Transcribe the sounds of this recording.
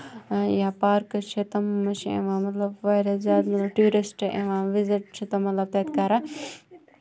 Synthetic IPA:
jaːpaːɾkɐt͡ʃʰet̪ɐmːɐt͡ʃʰiḛ̃ʋãːmɐt̪lɐbʋɐɾɐzaːd̪mɐt̪lɐbʈjuːɾisʈʔḛ̃ʋãːʋizɪʈ̚t͡ʃʰit̪ɐmɐt̪lɐb̚t̪ɐjt̪kaːɾa

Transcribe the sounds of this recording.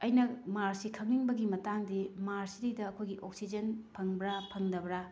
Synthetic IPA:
ɐjnɐmaɾsikʰɐŋniŋbɐɡimɐtaŋdimaɾsiɾidɐːkʰojɡiʔok̚sid͡ʒɐnpʰɐŋbɾapʰɐŋdɐbɾa

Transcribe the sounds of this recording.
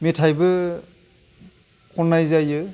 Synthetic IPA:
metʰajbɯ | kʰɔnːajzajɯ

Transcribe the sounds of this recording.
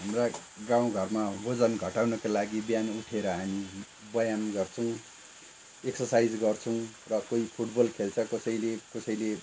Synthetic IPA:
ɦamra | ɡãw̃ɡʱʌrmabod͡zʌnɡʱʌʈawnʌkalaɡibjanuʈʰeɾʌɦami | bʌjanɡʌrt͡sʰʌw̃ | eksʌrsajd͡zɡʌrt͡sʰʌw̃rʌkoipʰuʈbʌlkʰelt͡sʰʌkʌsʌjlekʌsʌjle

